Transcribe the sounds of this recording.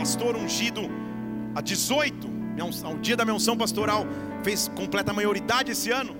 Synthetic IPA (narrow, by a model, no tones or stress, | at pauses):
past̪oɾũʒid̪ʊ | ad͡ʒɪzojt̪ʊ | m̃saʊd͡ʒiɐd̪ɐmĩɲɐ̃ũs̬ɐ̃w̃past̪oɾaw | fejskõmplɛt̪ɐmajoɾid̪ad͡ʒɪesɪɐ̃nʊ